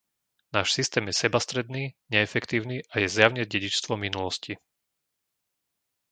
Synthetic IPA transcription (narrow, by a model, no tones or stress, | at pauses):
naːʃsist̪ɛːmjɛsɛbast̪ɾɛd̪niːɲɛːfɛkt̪iːʊniːʔajɛzjaʊɲɛɟɛɟit͡ʃst̪ʋɔminulɔsci